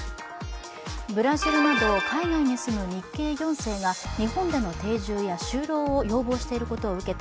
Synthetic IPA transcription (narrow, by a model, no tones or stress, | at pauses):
bɯ̟ɾaʑiɾɯ̟nad̪o̞ːkʰainaiɲ̟isɨmɯ̟ɲ̟ikːe̞ːjõ̞ɰ̃se̞ːɡaɲ̟iɦõ̞nd̪e̞no̞t̪e̞ːʑɨːjaɕɨːɾo̞ːojo̞ːbo̞ːɕi̥t̪e̞iɾɯ̟ko̞t̪o̞ːɯ̟ke̞t̪